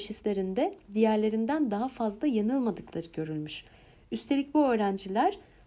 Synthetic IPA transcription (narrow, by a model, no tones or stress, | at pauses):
ʃislʲe̞ɾind̪ɛd̪ijæɾlʲe̞ɾind̪ænd̪aɦafazlˠajanɯlˠmad̪ɯklˠaɾɯɟø̞ɾylʲmyʃ | yst̪ʰe̞lʲic̚buø̞ːɾænd͡ʒilʲæɾ̥